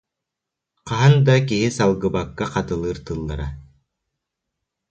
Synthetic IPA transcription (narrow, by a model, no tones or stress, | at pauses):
qɑɦand̪akiɦisalˠɡɯbakːaqɑt̪ɯlˠɯːɾt̪ɯlˠːaɾa